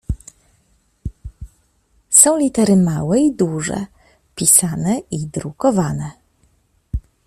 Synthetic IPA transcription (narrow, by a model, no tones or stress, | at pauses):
sɔ̃w̃lʲit̪ɛɾɘmawɛid̪uʐɛ̰ | pʲisanɛid̪ɾukɔvanɛ